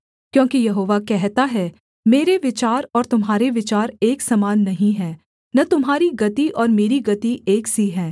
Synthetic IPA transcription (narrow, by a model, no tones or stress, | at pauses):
kjõːkijɐɦoːʋakɛɦt̪aɦɛ | meːɾeʋɪt͡ʃaːɾɔːɾt̪ʊmɦaːɾeʋɪt͡ʃaːɾeːksɐmaːnːɐɦĩɦɛ̃ː | nɐt̪ʊmɦaːɾiɡɐt̪iʔɔːɾmeːɾiɡɐt̪iʔeːksiɦɛ̃ː